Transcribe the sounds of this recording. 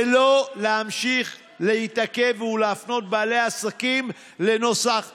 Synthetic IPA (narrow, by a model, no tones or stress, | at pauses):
lo̞leamʃiχ | leitake̞vuleafno̞t̪̚baːleasakim | le̞no̞saχ